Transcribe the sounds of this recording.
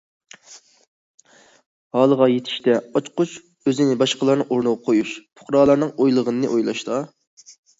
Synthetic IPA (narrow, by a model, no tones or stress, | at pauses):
hɑːlˠəʁɑjet̪ʰɪ̥ʃt̪ɛɑt͡ʃqʊt͡ʃ | øzɪnɪbɑʃqəlˠɑɾnɨŋoɾnəʁɑqʰojuʃpʰʊ̥χɾɑːlˠɑɾnɨŋojlˠəʁənɨnɨʔojlˠɑ̰ʃt̪ɑ